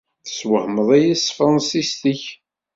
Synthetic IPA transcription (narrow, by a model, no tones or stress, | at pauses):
θə̥swəhməðˤæjisfɾɑnsist̪iç